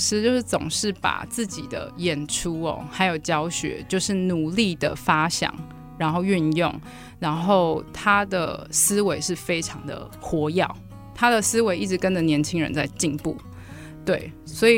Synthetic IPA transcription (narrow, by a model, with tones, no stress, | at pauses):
ʂɻ̩˧˥t͡ɕjo˥˧ʊʂ̩˥˩t͡sʊ̰˨˩ŋʂɻ̩˥˩pa̰˨˩t͡sɹ̩˥˩t͡ɕi˨˩d̪ə̰˦jɛ˨˩nʈ͡ʂʰu˦ɔ̰˨˩xa˧˥ɪjo˨˩ʊt͡ɕjɑ˥ʊɕɥɛ̰˧˥t͡ɕjo˥˧ʊʂɻ̩˥˩nu˨˩li˥˩d̪ə̰˩fa˥ɕjɑ̰˨˩˦ŋ | ɻa˧˥nxo˥˧ʊy˥˧njʊ̰˥˩ŋ | ɻa˧˥nxo˥˩ʊt̪ʰa˥d̪ə̰˨sɹ̩˥we˧˥ɪʂɻ̩˥˩fe˥ɪʈ͡ʂʰɑ˧˥ŋd̪ə̰˨ | xwɔ˧˥jɑ˥˨˩ʊ | t̪ʰa˥d̪ə˨sɹ̩˥we˧˥ɪʔi˥˩ʈ͡ʂɻ̩˧˥kə˦˥nə˨njɛ˧˦nt͡ɕʰi˥ŋɻə̰˧˦nt͡sa˥˧ɪt͡ɕi˥˧npṵ˥˩ | t̪we˥˩ɪswɔ˧˥i˨˩